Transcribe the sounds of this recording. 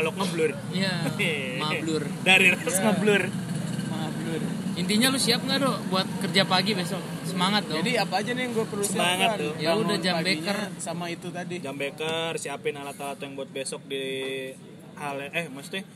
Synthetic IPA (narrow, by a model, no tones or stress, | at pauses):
alɔk̚ŋablʊr | ija | mabəlʊrdaɾiɾasŋabəlʊr | mabəlʊrint̪iɲalʊsiap̚ŋɡadɔbuat̪̚kərd͡ʒapaɡibesɔk̚ | səmaŋat̪̚d̪ʊadiapaːd͡ʒaniŋɡuapərlusəmaŋat̪jaludad͡ʒambekərsamait̪ut̪adid͡ʒambekərsiapɪnalat̪alat̪ɔjaŋbuat̪̚besɔk̚di | halɛhmast̪i